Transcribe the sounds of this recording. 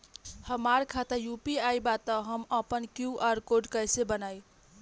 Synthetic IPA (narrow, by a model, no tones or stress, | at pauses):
həmaɾkʰat̪əɾjupiajbat̪əɦəməpənkjuʔaɾkoɖkəjsebənaj